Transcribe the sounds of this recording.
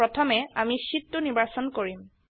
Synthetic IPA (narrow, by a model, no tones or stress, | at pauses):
ɹɔt̪ʰɔmɛamisitːunibasɔnkoɹim